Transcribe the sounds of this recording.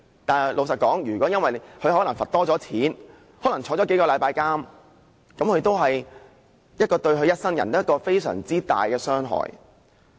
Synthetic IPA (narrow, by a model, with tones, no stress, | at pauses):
t̪aː˨˩n˨lʔo˨˧wsɐ˨t̚kɔː˨˥ŋjyː˨˩kʷwɔː˨˥jɐ˥nwɐ˨jkʰɵ˧ɥhɔː˨˥lɐ˨˩ŋfɐ˨t̚t̪ɔː˥t͡sɔː˨˥t͡sʰiː˨˥n | hɔː˨˥lɐ˨˩ŋt͡sʰɔː˨˥t͡sɔ˨˦˥ke˨˥jkɔː˧lɐ˨˧jpaː˧jkaː˥m | kɐ˨˥mkʰɵ˧ɥt̪o˥wɦɐ˨j | jɐ˥t̚kːɔː˧t̪ɵ˧ɥɦɵ˧ɥjɐ˥t̚sɐ˥ŋjɐ̰˨˩nt̪ːkːɔː˧fe˥jsœ̰ː˨˩ŋt͡siː˥t̪a̰ː˨jkɛː˧sœː˥ŋɦɔ̰ː˨j